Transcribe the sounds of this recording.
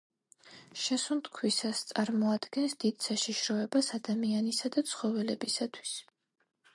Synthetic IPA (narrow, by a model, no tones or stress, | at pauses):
ʃɛsumt̪ʰkʰwisast̪sʼaɾmɔad̪̥ɡɛnsd̪̥id̪̥saʃiʃɾɔɛbasad̪amianisad̪at̪sʰχɔvɛlɛbisat̪ʰwi̥s